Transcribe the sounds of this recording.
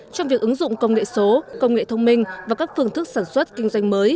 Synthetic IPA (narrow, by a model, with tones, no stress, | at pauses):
t͡ɕɔ˧wŋ͡mvi˨˩ək̚ʔɨ˨˦ŋzʊ̰˧˨ŋ͡mkə˧wŋ͡mŋḛ˧˨so˨˦kə˧wŋ͡mŋḛ˧˨t̪ʰə˧wŋ͡mmï˧ŋ̟vaː˨˩kaː˦˥k̚fɨ˧əŋt̪ʰɨ˦˥k̚saː˧˩nswə˦˥t̚kï˧ŋ̟zwa˧jŋ̟məː˨˦j